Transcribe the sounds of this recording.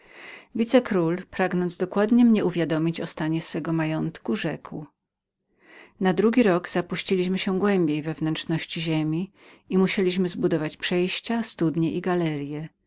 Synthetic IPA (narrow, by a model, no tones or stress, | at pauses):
vʲit̪sɛkɾulpɾaɡnɔnd̪zd̪ɔkwad̪ɲɛmɲɛuvʲjad̪ɔmʲit͡ɕɔst̪aɲɛsfɛɡɔmajɔnt̪kuʐɛkw | nad̪ɾuɡʲiɾɔɡz̥apuɕt͡ɕilʲiɕmɘɕɛɡwɛmbʲejvɛvnɛnt͡ʂnɔɕt͡ɕiʑemʲi | imuɕelʲiɕ̬mɘzbud̪ɔvat͡ɕpʂɛjɕt͡ɕast̪ud̪ɲɛʔiɡalɛɾjɛ